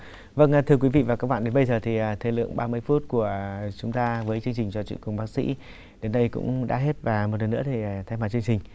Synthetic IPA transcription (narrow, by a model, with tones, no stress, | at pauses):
və̰˧˨nː˨˩t̪ʰɨ˧əkwi˨˦vḭ˧˨vaː˨˩kaː˦˥k̚ɓa̰ː˧˨nɗe˨˦nɓə˧jzəː˨˩t̪ʰi˨˩ʔaː˨˩t̪ʰe˧˩lɨ̰˧˨əŋɓaː˧mɨ˧əjfu˦˥t̚ku˧˩ət͡ɕʊ˨˦ŋ͡mt̪aː˧vəː˨˦jt͡ɕɨ˧əŋt͡ɕï˨˩ŋ̟t͡ɕɔ˧t͡ɕwḭ˧˨nkʊ˨˩ŋ͡mɓaː˦˥k̚sḭ˧˥ | ɗe˨˦nɗə˧jkʊ̰˧˥ŋ͡mɗa̰ː˧˥ɦe˦˥t̚vaː˨˩mo˨˩t̚lə˨˩nːɨ̰˧˥ət̪ʰi˨˩˨t̪ʰjmaː˨˩t͡ɕɨ˧əŋt͡ɕï˨˩ŋ̟